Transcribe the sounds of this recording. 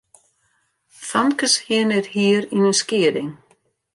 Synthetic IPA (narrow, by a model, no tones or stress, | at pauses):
θankashɪːnɪɾ̥hiːɾinʏnscɪːɾɪŋ